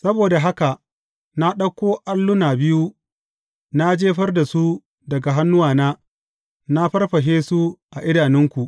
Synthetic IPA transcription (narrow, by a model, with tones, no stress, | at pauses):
sɐ˦boː˨da˨ɦa˦ka˨ʔ | na˦ɗɐ˦kʷoː˦ʔa˦lːʊ˦naː˨bɪ˦ju˦ | na˦d͡ʒeː˦ɸɐ˦rda˨su˦ | dɐ˨ɡa˨ɦa˦nːʊ˦waː˨naː˦ | na˦ɸɐ˦rɸɐ˨ɦeː˦su˦ʔa˨ʔɪ˦daː˨nɪ˦ŋkʷu˨ʔ